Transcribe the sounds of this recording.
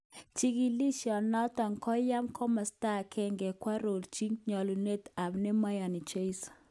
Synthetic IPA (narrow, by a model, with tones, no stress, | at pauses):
t͡ʃi˦ɡi˦li˦ʃjɔ˨nɔ˦t̪ɔ˨ŋkɔ˦ja˦mkʰɔ˦ma˨sta˦kʰɛ˦ŋɡɛ˨kwa˦ɾo˨lt͡ʃi˦ŋɲɔ˨lu˨ne˦t̪a˨bnɛ˦ma˦ja˨ni˨t͡ʃe˦i˦s